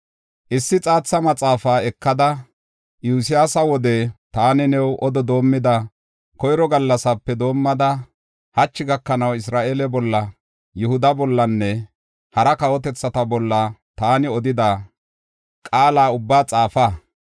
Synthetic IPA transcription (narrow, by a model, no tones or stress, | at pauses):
ʔɪsːɪt͡sʼaːt͡sːɐmɐt͡sʼaːfaːɛkːɐd̪ɐ | juːs̬ɪjaːsɐwɔd̪ɛt̪aːnɪnɛwʔɔd̪ɔd̪o̞ːmːɪd̪ɐ | kɔjɪɾɔɡɐlːɐsɐpːɛd̪o̞ːmːɐd̪ɐ | hɐt͡ʃːɪɡɐkːɐnɐwɪs̬ɾaːʔeːlɛbɔlːɐ | jʊhʊd̪ɐbɔlːɐnːɛ | hɐɾɐkɐwɔt̪ɛt͡sːɐt̪ɐbɔlːɐt̪aːnɪɔd̪ɪd̪a | kʼaːlaːʊbːaːt͡sʼaːfaː